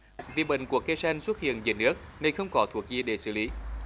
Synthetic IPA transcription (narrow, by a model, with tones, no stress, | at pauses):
vḭ˨˩ɓḭ˧˨ŋ̟ku˧˩əkːe˧sa˧jŋ̟swə˦˥t̚hḭ˧˨ənze˨˩nɨ˦˥ək̚nə˧˩jxə˧wŋ͡mkɔ˨˦t̪ʰu˨˩ək̚zi˧əɗe˧˩sɨ̰˧˩li˨˦